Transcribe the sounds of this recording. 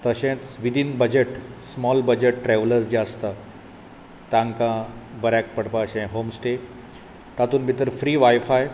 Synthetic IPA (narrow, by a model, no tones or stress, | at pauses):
t̪əɕɛ̃t̪ʋid̪ʱinbəd͡ʑeʈsmɔlbəd͡ʑeʈʈɾɛʋləɾsd͡ʑəst̪a | t̪ãŋkãbəɾak̚pəɽpaɕɛ̃ɦomsʈe | t̪at̪uːnbʱit̪əɾfɾiːʋajfaj